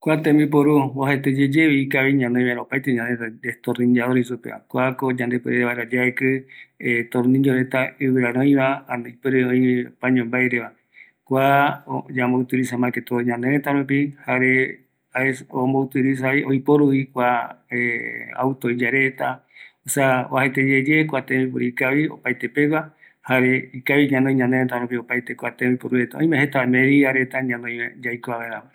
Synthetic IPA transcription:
kʷat̪ẽmbip̬oɾuohet̪ed͡ʒed͡ʒeβiikaβiɲãnd̪emaɾaopajt̪eɲãnd̪ed̪est̪orĩɲd͡ʒaðoɾisupḛa̰kʷakod͡ʒãnd̪epɨɾeβaeɾad͡ʒeaekɨ | t̪oɾnĩɲd͡ʒoɾet̪aɨβɨɾaɾõj̃βaãnẽjpɨɾeõĩpãɲõmbajɾeβa | kʷad͡ʒambout̪ilisamãket̪oɲãnd̪eɾet̪aɾup̬ihaɾe | aesombout̪ɨɾis̬aiʔojpoɾuikʷaea̰wt̪oid͡ʒaɾet̪asaβahet̪ed͡ʒed͡ʒekʷat̪ẽbipuɾiikaβio̰pajt̪epewa | haɾeikaβiɲãnõj̃ɲãneɾet̪aɾũp̬iopajt̪ekʷat̪ẽojpoɾuet̪aõj̃mẽhet̪amẽɾiaɾe̞t̪aɲãnõj̃mḛ̃d͡ʒajkoaβaeɾaβa

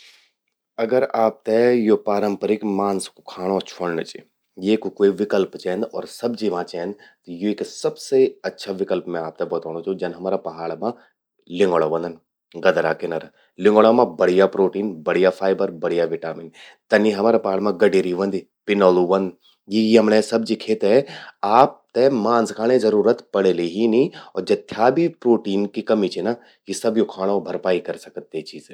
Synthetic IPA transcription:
ɐɡəɾaːp̚t̪ɛjopaːɾə̃mpəɾɪkmaːnskukʰaːɽ̃ot͡ʃʰoɽnət͡ʃi | jeːkukoiʋɪkəlpt͡ʃɛːnd̪ɔːɾsɐbd͡ʒiʋãt͡ʃɛ̃ːnd̪t̪joeksɐbseɐtːʃʰaʋɪkəlpmẽaːp̚t̪ɛbɔt̪oːñot͡ʃõd͡ʒɐnɦɐmaːɾapɐɦaːɭmã | lɪ̃ŋɡoɭaʋɐ̃nd̪ən | ɡɐd̪ɾakenɐɾ | lɪ̃ŋɡoɭamãbɐɽijapɾoːʈiːnbɐɽijafʰaːɪbəɾbɐɽijaʋɪʈaːmɪn | t̪ɐniɦɐmaːɾapɐɦaːɭmãɡɐɖeːɾiʋɐ̃nd̪i | pɪnɔːluʋɐ̃nd̪ | jijiɦɐmnẽsɐb̚d͡ʒikʰeːt̪ɛaːp̚t̪emãːnskʰaːɽ̃ezɐɾuːɾət̪pɐɽeleɦiniɔːɾd͡ʒɐt̪ʰːjaːbʱipɾoːʈiːnkikɐmit͡ʃʰena | jisɐbjokʰaːɽ̃õbʱɐɾpaːikɐɾsɐkət̪ːet͡ʃiːze

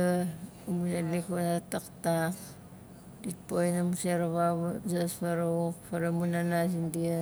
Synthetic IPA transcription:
a | muselikanataktak | dit̚pojnamuseɾaβaβzaspaɾokpaɾamunanasindia

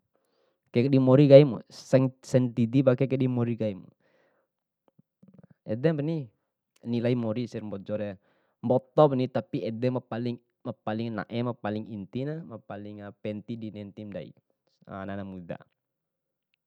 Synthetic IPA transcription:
kakədimoɾiɡaimṵsɛŋsɛnt̪idibakɛkədimoɾiɡaimṵ | ɛdɛpəni | nilaimoɾisɛrmbɔd͡ʒɔɾa | mbɔt̪ɔpnit̪apiɛdɛməpalɪŋ | məpalɪŋna̰ʔɛmapalɪŋint̪inaməpalɪŋəpɛnt̪idinɛnt̪imda̰ḭ | a̰nanamud̪a̰

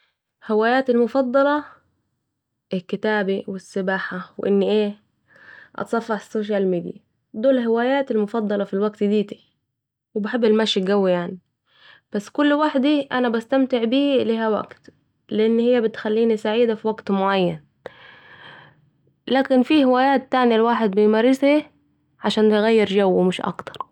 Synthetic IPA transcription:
hɪwaːjaːt̪ɪlmʊfɑd̪ˤːɑlɑ | ʔɪlkːɪt̪aːbiwɪsːɪbaːħawʔɪnːiʔeː | ʔɑ̰t̪sˤɑfːɑħsːoːʃ̬almiːd̪ja | d̪oːlɦɪwaːjaːt̪ɪlmʊfɑd̪ˤːɑlɑfilwaɡt̪d̪iːt̪i̥ | wɪbaħebːɪlmæʃiɡæwːijaʕni | b̥æsːkʊlːwaħd̪iʔænæbæst̪amt̪ɪʕbiːlihæwæ̰ɡt̪ | lɪʔɪnːhɪjːæbɪt̪xælːiːnisaʕiːd̪afiwaɡt̪moʕajːæn | laːkɪnfiːhɪwæːjaːt̪̚ːaʕnilwaːħed̪̚bɪjmæɾɪshi | ʕaʃaːnt̪ɣæjːɪɾd͡ʒæwmɪʃʔɑ̰kt̪ɑ̥ɾˤ

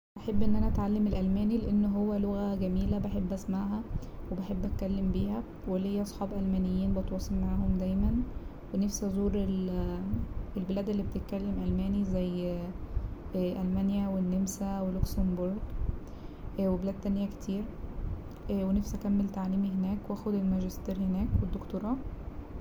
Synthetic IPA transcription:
ʔaħebːʔenːʔænæʔæt̪ʕalːemelʔælmæːnileʔenːɦowːæloɣæɡæmiːlæbeħebːʔæsmaʕɦæwebeħebːʔæt̪̚kælːembiːhæ | welːejːæʔɑsˤħɑːbʔælmænejːiːnbɑt̪wɑːsˤelmaʕaːɦomd̪æjmæn | wenefsæzˤuːɾel | elbelæːd̪elːibet̪et̪̚kælːemʔælmæːnizæjː | ʔælmænjæwenːemsæweluksæmboɾˤɡ | ʔwebelæːd̪̚t̪ːænjæke̥t̪ʰiːɾ | ʔwenefsʔækæmːelt̪aʕliːmiɦenæːkwʔæːxod̪elmæʒest̪iːɾhenæːkwed̪ːokt̪oɾˤɑː

